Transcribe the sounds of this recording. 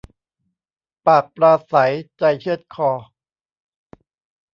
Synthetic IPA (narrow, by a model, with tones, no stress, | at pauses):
paː˨˩k̚pɾaː˧sa˩˦jt͡ɕa˧jt͡ɕʰɯ˥˩ət̪̚kʰɔː˧